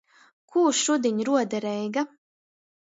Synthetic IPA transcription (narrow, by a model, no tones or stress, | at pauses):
kʰuːʃud̪ʲiɲɾuɔd̪aɾɛjɡa